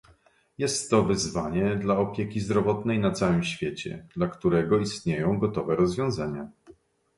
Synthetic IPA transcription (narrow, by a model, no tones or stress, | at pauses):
jɛst̪ːɔvɘzvaɲɛd̪laɔpʲjekʲizd̪ɾɔvɔt̪nɛjnat̪sawɘmɕfʲjet͡ɕɛ̰d̪lakt̪uɾɛɡɔist̪ɲejɔ̃w̃ɡɔt̪ɔvɛɾɔzvʲjɔ̃w̃zaɲa